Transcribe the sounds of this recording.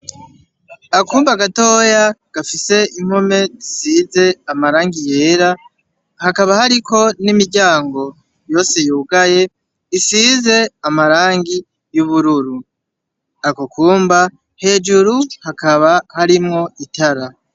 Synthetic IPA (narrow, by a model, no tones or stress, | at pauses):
akuːmbaɡato̞ːjaɡ̥afise̞im̥home̞zisize̞amaɾaːŋɡije̞ːɾa | hakaβahaɾikʰo̞nimiɾɟaːŋɡo̞ | jo̞ːse̞juːɡaje̞ | isize̞amaɾaːŋɡi | juβuɾuɾu | akokʰuːmba | he̞ːd͡ʒuɾuhakaβahaɾimŋo̞itaɾa